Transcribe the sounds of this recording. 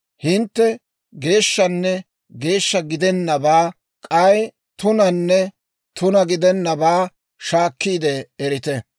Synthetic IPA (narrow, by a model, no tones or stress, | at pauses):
hɪnt̪ːɛ | ɡe̞ːʃːɐnːɛ | ɡe̞ːʃːɐɡɪd̪ɛnːɐbaː | kʼɐj | t̪ʊnɐnːɛ | t̪ʊnɐɡɪd̪ɛnːɐbaː | ʃaːkːiːd̪ɛːɾɪt̪ɛ